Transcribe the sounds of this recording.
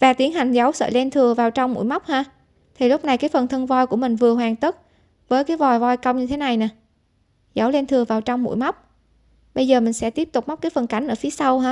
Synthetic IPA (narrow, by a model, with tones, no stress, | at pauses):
vaː˨˩t̪i˨˦ənha˨˩jŋ̟za˨˦wsə̰ː˧˨˩lɛ˧nt̪ʰɨ˨˩əvaː˨˩wt͡ɕɔ˧wŋ͡mmṵ˧˥jma˦˥wk͡p̚haː˧ | t̪ʰi˨˩lʊ˦˥k͡p̚na˨˩jkaː˨˦jfə˨˩nt̪ʰə˧nvɔ˧jku˧˩əmï˨˩ŋ̟vɨ˨˩əɦwaː˨˩ŋt̪ə˦˥t̚ | vəː˨˦jkaː˨˦jvɔ˨˩jvɔ˧jkə˧wŋ͡mɲɨ˧t̪ʰe˨˦na˨˩jnaː˨˩ | za˨˦wle˧nt̪ʰɨ˨˩əvaː˨˩wt͡ɕɔ˧wŋ͡mmṵ˧˥jma˦˥wk͡p̚ | ɓə˧jzəː˨˩mï˨˩ŋ̟sɛ̰˧˥t̪i˦˥əp̚t̪ʊ˨˩k͡p̚ma˦˥k͡p̚kaː˨˦jfə˨˩nka˨˦jŋ̟ʔəː˧˩fi˨˦əsa˧whaː˧˥